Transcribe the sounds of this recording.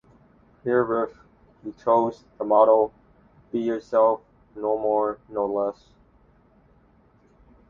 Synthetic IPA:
hiɹɹɪf | jitʰɹoʊzðəmɑɾolˠ | b̥ijə˞sɛlˠf | noʊmɔɹnoʊlɛs

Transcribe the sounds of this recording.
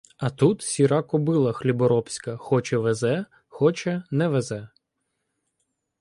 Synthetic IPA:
ɐt̪ut̪sʲiɾɑkɔbɪlˠɐxlʲibɔɾɔpsʲkɐxɔt͡ʃɛʋɛzɛ | xɔt͡ʃɛnɛʋɛzɛ

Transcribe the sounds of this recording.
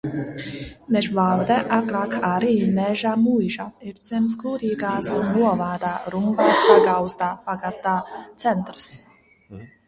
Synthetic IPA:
mɛʒvawd̪ɛʔakɾaːkaɾiːmɛʒaːmujʒaiɾd̪z̥ɛmsɡuːd̪iːɡaːsnuɔvaːd̪aːɾumɡaːspaɡawst̪aːpaɡast̪aːt̪sɛnt̪ɾɨs

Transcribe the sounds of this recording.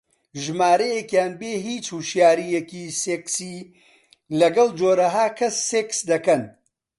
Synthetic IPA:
ʒmaːɾɐjekjaːnbeːɦiːt͡ʃhuʃjaːɾijekiːseːksiː | lɐɡɐld͡ʒoːɾɐɦaːkʰɐsːeːksd̪ɐkɐn

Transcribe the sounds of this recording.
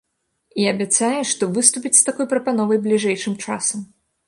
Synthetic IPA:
iɐbʲat̪sajɛʂt̪ɔvɨst̪upʲit͡sʲst̪akɔjpɾɐpanɔvɐjblʲiʐɛjʂɨmt͡ʂasɐm

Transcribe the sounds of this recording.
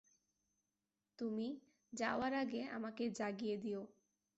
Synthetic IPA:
t̪umi | d͡ʑaoaɾaɡea̰maked͡ʑaɡijed̪io

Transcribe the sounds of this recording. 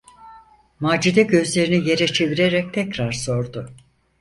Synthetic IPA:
maːd͡ʒid̪ɛɟø̞zlʲe̞ɾinije̞ɾɛt͡ʃʰe̞viɾeɾɛc̚t̪ʰɛcɾaɾso̞ɾd̪ʊ

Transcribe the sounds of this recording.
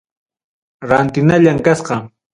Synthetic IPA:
ɾant̪ɪnaʎaŋkasqɑ

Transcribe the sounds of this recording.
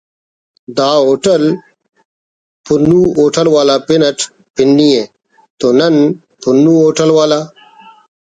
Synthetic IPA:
d̪aːoːʈɐl | punːuoːʈɐlwaːlaːpinɐʈʰ | pinːieː | t̪onɐn | punːuoːʈɐlwaːlaː

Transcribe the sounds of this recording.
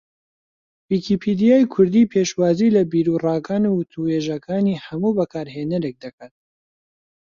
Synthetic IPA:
wiːkʰipʰid̪ijaːjkʰʊɾd̪iːpʰeʃwaːzilɐbiɾurɑːɡaːnuwʊt̪ʰuheʒɐkʰaːniːhɐmubɐkʰaːɾɦeːnɐɾek̚d̪ɐkʰaːt̪̚

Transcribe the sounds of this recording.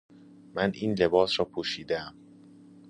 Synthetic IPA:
mænʔiːnle̞bɒːsɾɒːpʰoʃiːd̪eæm

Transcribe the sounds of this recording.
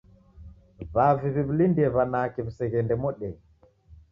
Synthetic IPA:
βaviβiβulindiɛβanakɛβusɛɣɛndɛmɔɗɛ

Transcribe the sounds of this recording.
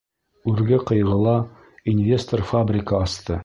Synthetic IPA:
ʉɾɡɘqɤ̆jʁɤ̆lˠɑ | inʲvʲe̞st̪orfabrʲɪkəɑst̪ɤ

